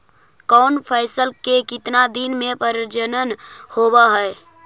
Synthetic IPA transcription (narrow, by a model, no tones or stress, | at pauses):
kɔnpʰɛɪsəlkekɪt̪nad̪inmepəɾəd͡ʒənənhobəɦɛ